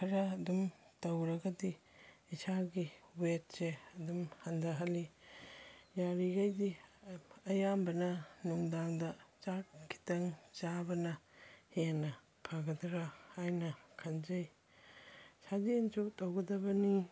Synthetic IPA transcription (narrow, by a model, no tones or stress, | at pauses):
kʰɐɾɐːdumtɐwɾɐɡɐdiː | saɡiwet̚seɐdumhɐndɐɦɐli | jaɾiɡajdi | ɐjambɐnɐnuŋdaŋdɐt͡ʃat̚kʰi̥tɐŋt͡ʃabɐnɐheŋnːɐ | pʰaɡɐdɾahajnɐkʰɐnd͡ʒɐj | sʰad͡ʒient͡ʃotɐwɡɐdɐbɐni